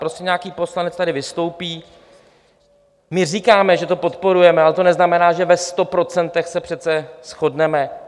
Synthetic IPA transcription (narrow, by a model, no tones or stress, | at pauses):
pɾo̞scɛɲaakiːpo̞slanɛt͡st̪adɪvɪst̪o̞wpiː | mɪr̝iːkaːmɛʒɛt̪o̞po̞t̪po̞ɾujɛmɛalɛt̪o̞nɛznamɛnaːʒɛvɛst̪o̞pɾo̞t͡sɛnt̪ɛxsɛpr̥ɛt̪t͡sɛsxo̞dnɛmɛ